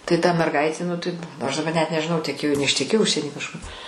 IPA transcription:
tɐɪ tɐ mʲɛrˈɡɐɪtʲeː nʊ ˈtɐɪp ˈɐʃ dɐˈbɐ nʲɛt nʲɛʒʲɪˈnɐʊ tʲɛˈkʲeːjoː nʲɛɪʃʲtʲɛˈkʲeːjoː ˈʊʃʲsʲiɛnʲiː kɐʃˈkʊr

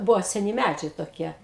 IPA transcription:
ˈbʊʋoː sʲɛˈnʲɪ ˈmʲæd͡ʒʲɛɪ toːˈkʲiɛ

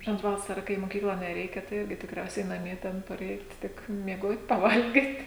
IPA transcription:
ˈʒʲɪnoːt ˈʋɑːsɐrɐ kɐɪ ɪ moːˈkʲiːklˠɐ nʲɛˈrʲɛɪkʲɛ tɐɪ ˈɪrʲɡʲɪ tʲɪkˈrʲɛʊsʲɛɪ nɐˈmʲiɛ ˈtʲɛn pɐˈrʲɛɪt ˈtʲɪk mʲiɛˈɡoːtʲ pɐˈʋɐlʲɡʲɪtʲ

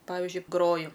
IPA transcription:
ˈpɑːʋʲɪʒʲʊɪ ˈɡroːjʊ

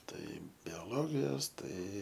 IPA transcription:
ˈtɐɪ bʲɛˈlˠoːɡʲɪjoːs ˈtɐɪ

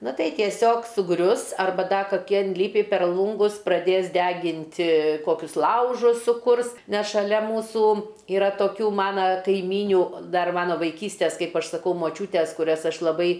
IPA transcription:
ˈnɐ ˈtɐɪ tʲiɛˈsʲoːk sʊˈɡrʲʊs ɐrˈbɐ ˈdɐ kɐˈkʲɪ ɪnʲˈlʲɪpʲɪ pʲɛr ˈlˠuːŋɡʊs prɐˈdʲeːs ˈdʲæːɡʲɪnʲtʲɪ ˈkoːkʲʊs ˈlˠɐʊʒʊs sʊˈkʊrs ˈnʲɛs ʃɐˈlʲɛ ˈmuːsuː ɪˈrɐ toːˈkʲuː ˈmɑːnɐ kɐɪˈmʲiːnʲuː ˈdɐr ˈmɑːnoː ʋɐɪˈkʲiːsʲtʲeːs ˈkɐɪp ˈɐʃ sɐˈkɐʊ moːˈt͡ʃʲuːtʲeːs kʊˈrʲɛs ˈɐʃ lˠɐˈbɐɪ

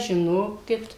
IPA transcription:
ʒʲɪˈnoːkʲɪt

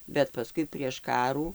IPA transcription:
bʲɛt pɐˈskʊɪ pʲrʲiɛʃ ˈkɑːruː

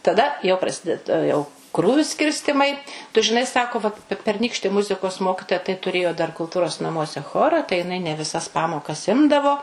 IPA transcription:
tɐˈdɐ jɛʊ prɐˈsʲɪdʲɛt ˈjɛʊ ˈkruːʋʲʊ ˈsʲkʲɪrʲsʲtʲɪmɐɪ tʊ ʒʲɪˈnɐɪ ˈsɑːkoː ʋɐt pʲɛ pʲɛrʲˈnʲiːkʃʲtʲɪ ˈmʊzʲɪkoːs ˈmoːkʲɪtoːjɛ tɐɪ tʊˈrʲeːjoː dɐr kʊlˠˈtuːroːs nɐˈmuɔsʲɛ ˈxoːrɐ tɐɪ jɪˈnɐɪ nʲɛ ʋʲɪˈsɐs ˈpɑːmoːkɐs ˈɪmdɐʋoː

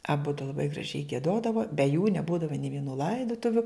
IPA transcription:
ɐˈbʊdʊ lˠɐˈbɐɪ ɡrɐˈʒʲɛɪ ɡʲiɛˈdoːdɐʋoː bʲɛ juː nʲɛˈbuːdɐʋɐ nʲeː ʋʲiɛˈnuː ˈlˠɐɪdʊtʊʋʲʊ

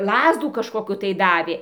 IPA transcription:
ˈlˠɑːzduː kɐʃkoːˈkʲuː tɐɪ ˈdɑːʋʲeː

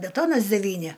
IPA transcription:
bʲɛˈtoːnɐs dʲɛˈʋʲiːnʲɪ

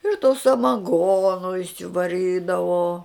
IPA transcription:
ɪr toː sɐmɐˈɡoːnoː ɪʃʲsʲɪʋɐˈrʲiːdɐʋoː

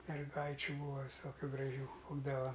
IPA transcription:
mʲɛrˈɡɐɪt͡ʃʲʊ ˈbuːɐ ʋʲɪˈsoːkʲʊ ɡrɐˈʒʲuː ˈbuːdɐʋɐ

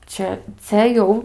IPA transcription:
ˈt͡ʃʲɛ t͡sʲɛ ˈjɛʊ

